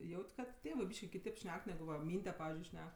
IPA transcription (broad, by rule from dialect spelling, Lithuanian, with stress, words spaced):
ˈjɛʊtʲ ˈkɐt ˈtʲeːʋɜ ˈbʲiːʃʲkʲɪ kʲɪˈtʲeːp ˈʃʲnʲɛk ˈnʲæːɡʊ ʋɐ ˈmʲiːnʲdʲɛ ˈpɑːʋʲɪzʲd͡ʒʲʊɪ ˈʃʲnʲɛk